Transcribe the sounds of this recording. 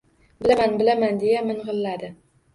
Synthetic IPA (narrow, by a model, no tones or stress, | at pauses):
bɪlamanbɪlamand̪e̞jamɪnʁɨlːad̪ɪ